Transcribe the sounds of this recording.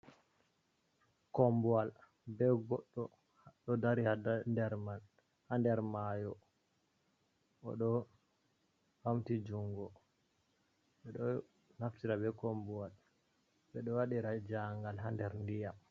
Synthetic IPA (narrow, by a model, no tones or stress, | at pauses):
kɔmbuwal | bɛɡɔɗːɔ | ɗɔdaɾihandɛɾman | handɛɾmajɔ | ɔ̰ɗɔ | hamtid͡ʒuŋɡɔ | ɓɛɗɔ | naftiɾabɛkɔmbuwal | bɛɗɔwaɗiɾad͡ʒaŋɡalɦandɛɾndijam